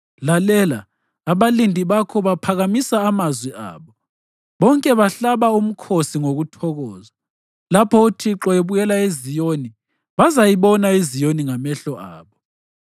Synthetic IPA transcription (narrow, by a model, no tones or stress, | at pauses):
lalɛlaː | βalindʱiβakʰɔβapʰaɣamisaːmazwiʔa̰ːβɔ | βɔŋkʼɛβaɬaβaum̩kʰosiŋoɣutʰɔɣɔːza | lapʰɔutʰiǁɔeβujɛlaezijoni | βazajiβɔnaizijoniŋamɛɬɔʔa̰ːβɔ